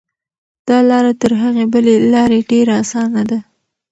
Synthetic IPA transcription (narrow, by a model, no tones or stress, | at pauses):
d̪̥ɑlɑɾat̪əɾɦaɣebəlelɑɾeɖeɾaasɑnad̪a